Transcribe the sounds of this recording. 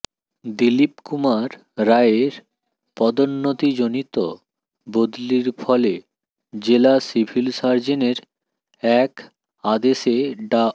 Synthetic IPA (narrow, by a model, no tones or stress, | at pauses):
d̪ilipkumaɾː | aeeɾ | pɔd̪onːot̪id͡ʑonit̪o | bod̪liɾfʰɔle | d͡ʑelasibʱilsaɾd͡ʑeneɾ | ɛk | ad̪eʃeɖa